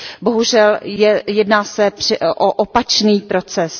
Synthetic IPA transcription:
bo̞ɦuʒɛljɛjɛdnaːsɛpr̥ɛʔoʔopat͡ʃniːpɾo̞t͡sɛs

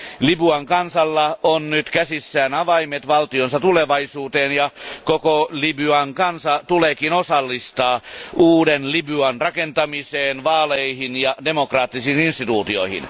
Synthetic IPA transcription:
libyɑŋkɑnsɑlːɑonnyt̪kæsisːæːnɑʋɑimet̪ʋɑlt̪ionsɑt̪uleʋɑisuːt̪eːnjɑkokolibyɑŋkɑnsɑt̪uleːkinosɑlːist̪ɑːʔuːdenlibyɑnrɑkent̪ɑmiseːnʋɑːleihinjɑdemokrɑːt̪ːisiːninst̪it̪uːt̪io̰ihḭn

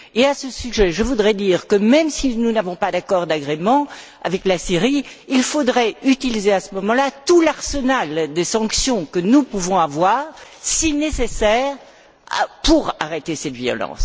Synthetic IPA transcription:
easəsyʒɛʒəvud̪ʁɛd̪iːʁkəmɛmsinunavɔ̃pad̪akɔʁd̪aɡʁemɑ̃ | a̰vɛklasiʁiilfod̪ʁɛyt̪ilizeasəmɔmɑ̃lat̪ulaʁsənald̪esɑ̃ksjɔ̃kənupuvɔ̃avwaːʁsinesesɛːʁ | puʁaʁet̪esɛt̪viɔ̰lɑ̰̃s

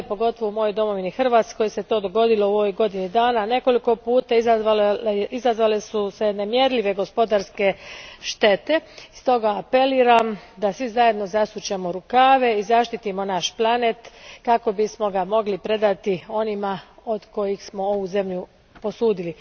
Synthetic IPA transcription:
po̞ɡo̞t̪o̞ʋoumo̞jojd̪o̞mo̞ʋinixr̩ʋat̪sko̞jse̞t̪o̞d̪o̞ɡo̞d̪ilo̞oʋojɡo̞d̪inid̪aːnane̞ko̞liko̞puːt̪aizaʋaizazʋalesuse̞nemje̞ɾlʎʲiʋe̞ɡo̞spo̞d̪aɾske̞ʃt̪e̞t̪e̞st̪o̞ɡaːpe̞liːɾamd̪asʋizaje̞d̪no̞zasut͡ɕemoɾukaːʋe̞izaʃt̪it̪imo̞naʃplˠanet̪kako̞bismo̞ɡamo̞ɡlipɾe̞d̪at̪io̞nimao̞d̪ko̞jixsmo̞o̞ʋuze̞mʎu | po̞suːd̪ili

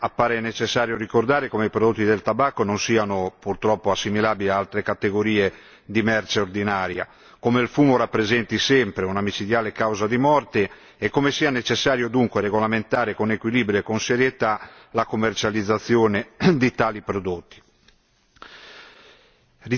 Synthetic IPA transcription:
apːaːɾenet͡ʃesːaːɾjoɾikord̪aːɾekomeipɾod̪ot̪ːid̪elt̪abakːononsiːanopurt̪ɾɔpːoasːimilaːbiliaalt̪ɾekat̪eɡoɾiːe | d̪imɛrt͡ʃeord̪inaːɾja̰ | komeilfuːmoɾapːɾezɛnt̪isɛmpɾeunamit͡ʃid̪jaːlekawzad̪imɔrt̪eː | kːomesiːanet͡ʃesːaːɾjod̪uŋkweɾeɣolament̪aːɾekonekwiliːbɾjoekonseɾjet̪alakomːert͡ʃalid̪zːat̪sːjoːned̪it̪aːlipɾod̪ot̪ːi̥ | ri

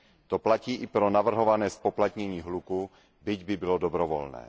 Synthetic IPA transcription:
t̪oplaciːʔɪpɾonavr̩ɦovanɛːspoplat̪ɲɛɲiːɦluku | bɪɟbɪbɪlodobɾɔvo̰lnɛ̰ː

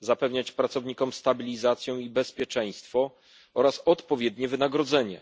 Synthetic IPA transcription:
zapɛvɲat͡ɕpɾat̪sɔvɲikɔmst̪abʲilʲizat̪sʲjɔ̃w̃ibɛspʲjɛt͡ʂɛj̃st̪fɔ | ɔɾasɔt̪pɔvʲjɛd̪ɲɛvɘnaɡɾɔd̪zɛɲɛ̰

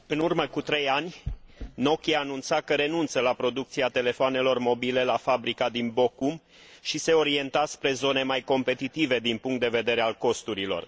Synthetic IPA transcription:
ɨnurməkut̪ɾe̞janʲno̞kʲiaːnunt̪sakəɾe̞nunt̪səlapɾo̞d̪ukt̪siat̪e̞le̞foane̞lo̞rmo̞bile̞lafabɾikad̪inbo̞kum | ʃise̞o̞ɾie̞nt̪aspɾe̞zo̞ne̞majko̞mpe̞t̪it̪ive̞d̪inpuŋkt̪d̪e̞ve̞d̪e̞ɾe̞alko̞st̪uɾilo̞̰r

